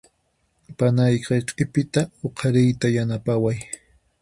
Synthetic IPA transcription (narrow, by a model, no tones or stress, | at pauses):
panajqɑqʼɪpɪt̪aoqʰɑɾɪjt̪ajanapawaj